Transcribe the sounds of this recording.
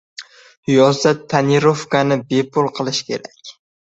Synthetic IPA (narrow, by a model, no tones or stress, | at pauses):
hjɒzat̪ʰːaniɾofkanɪbepʰʊlˠqʰɨlˠɪʃkʲʰe̞̰ɾakʲ